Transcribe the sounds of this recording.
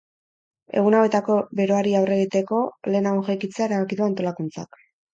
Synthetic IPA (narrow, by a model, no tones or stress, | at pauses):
e̞̰ɣ̞unawe̞t̪ako̞be̞ɾo̞aɾiawre̞ɣit̪e̞ko̞le̞ːnaoʝajkit͡seae̞ɾaβakiðuant̪o̞lakunt͡sa̰k